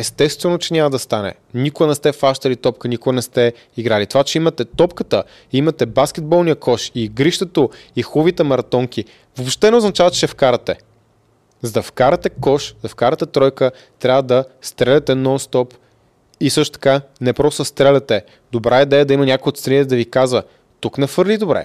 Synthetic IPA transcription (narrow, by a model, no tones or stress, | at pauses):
ɛst̪ɛst̪vɛnot͡ʃɛnʲamɐəd̪ɐst̪anɛ̰ | nikʊənɛst̪ɛfaʃt̪ɐlit̪ɔp̚kənikoɡənɛst̪ɛ | iɡɾalit̪ovat͡ʃɛimɐt̪ɛt̪ɔpkət̪ə | imɐt̪ɛbaskɛd̪̚bɔlˠnijəkʰɔʃiɡɾiʃt̪ɛt̪oixuvit̪ɛmɐɾɐt̪ɔŋk̟ʲi | vopʃt̪ɛnɛoznɐt͡ʃavɐt̪t͡ʃɛfkaɾɐt̪ɛ | zd̪ɐfkaɾɐt̪ɛkɔʃzɐfkaɾət̪ɛt̪ɾɔjkə | t̪ɾʲavəd̪ɐst̪ɾɛlɛt̪ɛnɔnst̪ɔp | isɤʃt̪o̥t̪ɐ̥kanɛpɾɔst̪st̪ɾɛlʲɐt̪ɛ | d̪obɾʔaid̪ɛjəd̪ɐimɐnʲakojot̪st̪ɾʲɛnit̪ɛd̪ɐvikazvə | t̪uknɛfɤɾlid̪obɾɛ̰